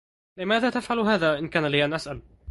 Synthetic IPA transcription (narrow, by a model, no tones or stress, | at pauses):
lɪmaːðaːt̪afʕalɦaːðaːʔɪnkaːnalɪjanʔasʔal